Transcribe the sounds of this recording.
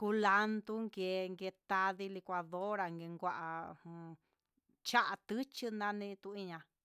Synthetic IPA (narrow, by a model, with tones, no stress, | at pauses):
ku˧la˧nt̪u˦ŋɡe˧ŋɡe˧t̪a˧ði˧li˧kʷa˧ðo˦ɾa˨ŋɡe˧ŋɡʷa˧ʔa˧˨˧hũ˧ | t͡ʃa˦ʔa˧t̪ɨ˦t͡ʃɨ˦nã˦nĩ˧t̪u˧i˦˧ɲã˧